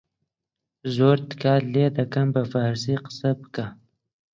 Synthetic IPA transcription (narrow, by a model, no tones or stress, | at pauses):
zoɾt̪kaled̪akambafaɾsiqsəbka